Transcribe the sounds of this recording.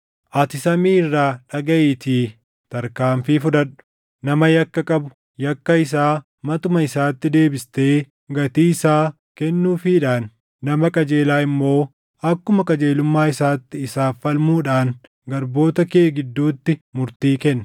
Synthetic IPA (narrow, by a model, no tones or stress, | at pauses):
ʔɐt̪ɪsɐmiːɪrːaːᶑɐɡɐʔɪt̪iː | t̪ɐɾkaːɱfɪfʊᶑ̪ɐᶑʊ̥ | nɐmɐjɐkːɐkʼɐbʊ̥ | jɐkːɐɪs̬aː | mɐt̪ʊmɐɪsaːt̪ːɪd̪e̞ːbɪst̪e̞ː | ɡɐt̪iːɪsaː | kɛnːuːfiːᶑaːnː | ɐmɐkʼɐd͡ʒe̞ːlaːɪmːo̞ː | ɐkːʊmɐkʼɐd͡ʒe̞ːlʊmːaːɪsaːt̪ːɪɪsaːfɐlmuːᶑaːn | ɡɐɾbo̞ːt̪ɐkeːɡɪd̪ːuːt̪ːɪmʊɾt̪iːkɛnː